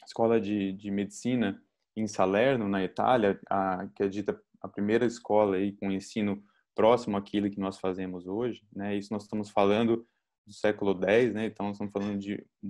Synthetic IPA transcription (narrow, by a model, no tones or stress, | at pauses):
ɪskɔlɐd͡ʒɪd͡ʒɪmed͡ʒɪsĩnɐ | ẽj̃salɛɾnʊnɐit̪a̰ljɐakɪɛd͡ʒit̪ɐ | ɐpɾimejɾɐiskɔlɐikõẽsĩnʊ | pɾɔsimʊakʰilʊkɪnɔsfazẽmʊzoʒɪnɛisʊnɔzɪst̪ɐ̃mʊsfalɐ̃nd̪ʊ | d̪ʊsɛkʊlʊd̪ɛjsnɛẽt̪ɐ̃w̃nɔzst̪ɐmʊsfalɐ̃nd̪ʊd͡ʒɪ̰